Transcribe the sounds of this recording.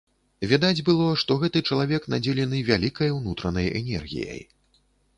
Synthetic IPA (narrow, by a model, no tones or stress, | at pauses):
vʲad̪ad͡zʲbɨlˠɔʂt̪ɔɣɛt̪ɨt͡ʂɐlˠavʲɛknad͡zʲɛlʲɛnɨvʲalʲikɐjwnut̪ɾɐnɐjɛ̰nʲɛ̰rɣʲḭjɐ̰j